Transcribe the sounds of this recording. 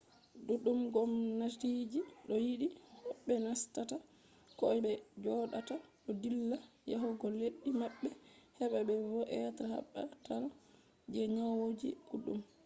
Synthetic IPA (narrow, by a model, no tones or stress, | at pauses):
duɗumɡɔmnatid͡ʒiɗɔjiɗihɔɓːɛnastata | kɔɓɛd͡ʒɔɗataɗɔdilːajaɦuɡɔlːeɗːimaɓːɛhɛɓaɓɛvɔʔɛtaha̰ɓːa̰tal | d͡ʒɛɲawod͡ʒḭʔuɗum